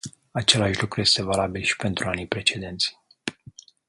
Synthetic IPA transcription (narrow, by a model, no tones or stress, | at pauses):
at͡ʃe̞laʃlukɾuje̞st̪e̞valabilʃi̥pe̞nt̪ɾuanijpɾe̞t͡ʃe̞d̪e̞nt̪sʲ